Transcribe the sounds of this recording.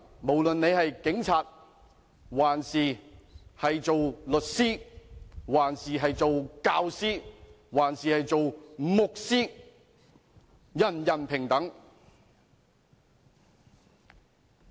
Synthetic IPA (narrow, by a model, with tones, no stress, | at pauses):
mo˨˩wlɵ˨nne˨˧jhɐ˨jkɪ˨˥ŋt͡sʰaː˨t̚ | waː˨˩nsiː˨˩hɐ˨jt͡so˨wlɵ˨t̚siː˥ | waː˨˩nsiː˨ɦɐ˨jt͡so˨wkaː˧wsiː˥ | waː˨˩nsiː˨hɐ˨jt͡so˨wmʊ˨k̚siː˥ | jɐ˨˩njɐ˨˩npʰɪ˨˩ŋt̪ɐ˨˥ŋ